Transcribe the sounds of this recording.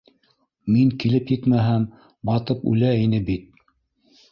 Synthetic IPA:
miŋkilɘpjɘt̪mæɦæm | bɑt̪ɤpʉ̰læinɘbit̪̚

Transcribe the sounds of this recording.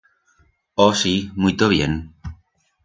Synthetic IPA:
osimujt̪oβjen

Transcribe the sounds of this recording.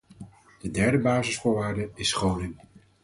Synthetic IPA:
d̥ədɛɹdəbaːzɪsfʊːɹʋaːɹdəɪsχownɪŋ

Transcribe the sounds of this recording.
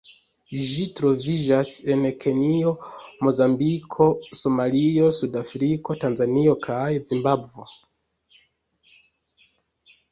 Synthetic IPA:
ʒitɾo̞vid͡ʒase̞nkʰe̞nio̞mo̞zambikʰo̞so̞malio̞sudafɾiko̞tanzanio̞kʰajzimbabvo̞

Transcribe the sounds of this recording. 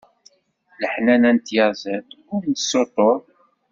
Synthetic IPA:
ləħnænænt̪jɑzət̪ | ʊɾnsːot̪ˤoɾˤ

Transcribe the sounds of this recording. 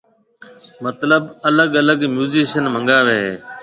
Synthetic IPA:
mət̪ləbələɠələɡmjuːziːʃənmə̃ŋɡaːʋeːɦeː

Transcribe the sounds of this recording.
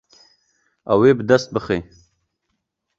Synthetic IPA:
a̰weːbd̪ast̪̚bəχe

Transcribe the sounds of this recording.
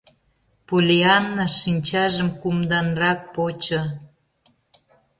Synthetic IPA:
pulʲiɑnːɑʃinʲt͡ɕɑʒəmkumd̪ɑnrɑk̚pot͡ɕo

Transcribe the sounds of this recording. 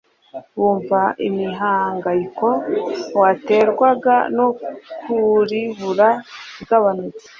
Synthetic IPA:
wuːɱvaʔimiɦaːŋɡaiko̞wate̞ɾɡwaɡa̰nokuɾiβuɾaiɡaβanut͡se̥

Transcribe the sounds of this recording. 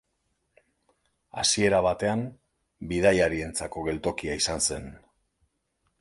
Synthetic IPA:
a̰sie̞ɾaβ̞at̪e̞am | biðajaɾie̞nt͡sako̞ɣe̞lt̪o̞kiaisanse̞n

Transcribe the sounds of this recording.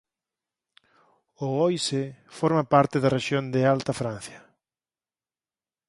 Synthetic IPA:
ʊojsefoɾmapaɾt̪ɪðɐreʃjond̪ɪalt̪ɐfɾan̟θjɐ

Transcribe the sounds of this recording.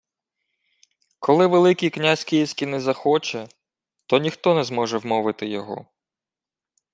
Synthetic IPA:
kʰɔlˠɪʋelˠɪkʲiknʲasʲkʲijisʲkʲinɛzɐxɔt͡ʃɛ | t̪ɔnʲixt̪ɔnɛzmɔʒɛwmɔʋɪt̪ɪjɔɦɔ̰

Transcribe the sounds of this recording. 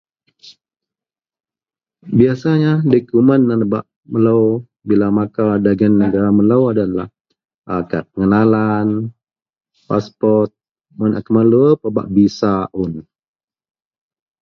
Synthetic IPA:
biasaɲadəkumənːanbaʔ | mələw | bilamakadaɡanːəɡaɾaməlawadala̰h | ʔakapəŋənalan | paspɔrt̪̚ | mana̰kəmaluəpəba̰ʔbisaʔʊn

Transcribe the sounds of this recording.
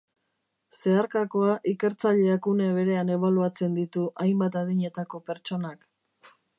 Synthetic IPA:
se̞aɾkako̞aʔike̞ɾt͡saʎe̞akune̞βe̞ɾe̞ane̞β̞aluat͡se̞nd̪it̪uʔajmbat̪að̞iɲe̞t̪ako̞pe̞ɾt͡ʃo̞nak

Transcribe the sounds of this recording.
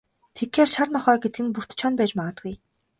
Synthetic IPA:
t̪ʰekxeːrʃarnɔχœːɡet̪̚ɡɘ̆npur̥t̪t͡ɕʰɔnpæːt͡ɕmaʁə̆t̪ɡuj

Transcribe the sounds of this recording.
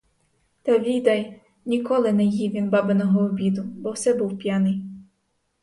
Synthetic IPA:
t̪ɑʋʲid̪ɐj | nʲikɔlˠɪnɛjiʋʲinbɑbenɔɦɔːbʲid̪ʊbɔwsɛbuwpʲjanɪj

